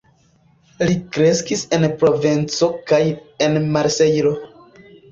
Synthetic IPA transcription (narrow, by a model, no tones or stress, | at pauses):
likɾe̞skise̞npɾo̞vent͡so̞kaje̞nmaɾse̞jɾo̞